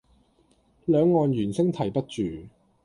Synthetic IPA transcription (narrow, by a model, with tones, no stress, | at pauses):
lœː˨˧ŋːɔː˨njyː˨˩nsɪ˥ŋt̪ʰɐ˨˩jpɐ˥t̚t͡ʃyː˨